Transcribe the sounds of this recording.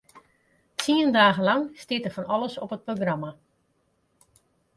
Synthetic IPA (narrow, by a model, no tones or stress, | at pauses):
tʰiəndaːɣəlɑŋstɪtəfɔnɔləsɔpət̚proɡrama